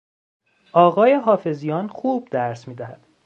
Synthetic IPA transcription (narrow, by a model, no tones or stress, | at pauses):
ʔɒːɣɒːje̞ɦɒːfe̞zijɒːnxuːb̚d̪æɾsmiːd̪æhæd̪̥